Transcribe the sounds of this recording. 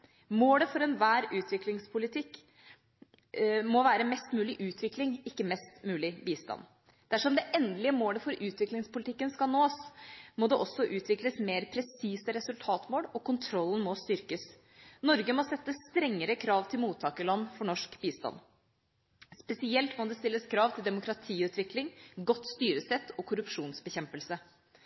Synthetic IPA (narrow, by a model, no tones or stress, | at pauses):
moːləfɔɾɛnʋæːɾʉːt̪ʰʋɪklɪŋspʰʊlɪt̪ʰɪkː | mɔʋæːɾəmɛst̪mʉːlɪʔʉːt̪ʰʋɪklɪŋɪkːəmɛst̪mʉːlɪbiːst̪ɑ̰n | d̪̥æʂɔmd̪ɛʔɛnd̪lɪəmoːləfɔɾʉːt̪ʰʋɪklɪŋspʊlɪt̪ʰɪkːənskɑlnoːsmɔd̪ɛʔɔsɔʔʉːt̪ʰʋɪkləsmeːɾpʰɾɛsiːsəɾɛsʉlt̪ʰɑːt̪moːlɔkʊnt̪ʰɾɔlːən̩mɔst̪ʏɾkəs | nɔɾɡəmɔsɛt̪ːəst̪ɾɛŋːəɾəkʰɾɑːʋt̪ʰɪlmuːt̪ʰːɑːkəlɑnːfɔɳɔʂkbiːst̪ɑ̰n | spɛsɪɛlt̪mɔd̪ɛst̪ɪlːəskʰɾɑːʋt̪ʰɪld̪ɛmʊkɾɑt̪ʰiːʉːt̪ʰʋɪklɪŋɡɔt̪ːst̪yːɾəsɛt̪ːɔkʰʊɾʉpʂuːnsbəçɛmpəlsə